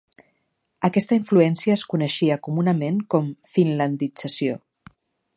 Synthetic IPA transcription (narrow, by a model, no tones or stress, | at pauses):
əkɛst̪əiɱfluɛnsiəːskunəʃiəkumunəmeŋkɔmfinlənd̪id͡zəsio